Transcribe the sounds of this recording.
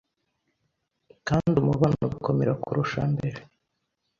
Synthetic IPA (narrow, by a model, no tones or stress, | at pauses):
kaːndiumuβanoβuko̞meɾakuɾʔuʃa̰mbe̞ɾe